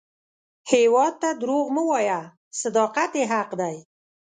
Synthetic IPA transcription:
hewɑd̪̚t̪ad̪ɾoɣməwɑja | sad̪ɑqat̪jeɦaqd̪aj

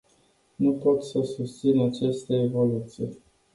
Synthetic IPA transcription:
nupo̞t̪səsust̪sinat͡ʃest̪eevo̞lut̪sije

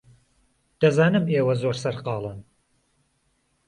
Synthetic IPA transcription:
d̪̥ɐzaːnɨmeːwɐzoɾsɐɾqɑːlˠɨn

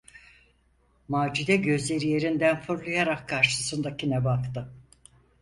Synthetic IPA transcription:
maːd͡ʒid̪ɛɟø̞zlʲe̞ɾije̞ɾind̪ænfuɾlˠajaɾakʰːaɾʃɯ̥sɯnd̪acʰinɛbakt̪ɯ

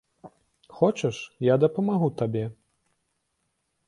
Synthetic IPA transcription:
xɔt͡ʃɐʂjad̪ɐpɐmaɣut̪abʲɛ

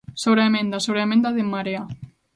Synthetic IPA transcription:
soβɾeemẽnd̪asoβɾeemẽnd̪aðemːaɾea

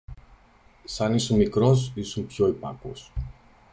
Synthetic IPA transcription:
sɐnisumikɾo̞s̬isumpçoipɐ̰ko̰s

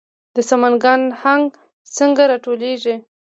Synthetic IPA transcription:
d̪əsamanɡanhaŋɡ | səŋɡaɾɑʈoleʐi

